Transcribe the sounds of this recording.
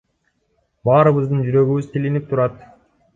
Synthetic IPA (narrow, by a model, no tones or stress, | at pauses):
bɑːɾɯβɯzd̪ɯnd͡ʒyɾø̞ɡyβyzt̪ʰilinip̚t̪ʰuɾɑt̪